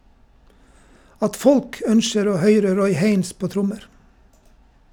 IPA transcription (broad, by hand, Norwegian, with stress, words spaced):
ˈɑt ˈfɔlk ˈœnʃəɾ ˈoː ˈhœʏɾə ˈɾɔʏ ˈheɪns ˈpoː ˈtɾʊməɾ